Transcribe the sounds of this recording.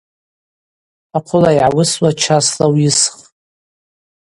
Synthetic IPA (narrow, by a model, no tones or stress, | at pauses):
aqʷʰʊlajʕawʊswat͡ʃʰaslawjɪsχ